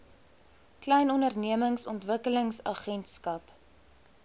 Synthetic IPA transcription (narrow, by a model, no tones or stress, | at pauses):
klɛjnɔndərniəməŋsɔntvəkələŋsɐχɛntskɐp